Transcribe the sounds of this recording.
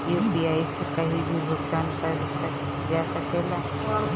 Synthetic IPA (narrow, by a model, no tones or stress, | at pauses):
jubiajsekəɦibʱibʱoɡt̪ankaɾ | d͡ʒasəkela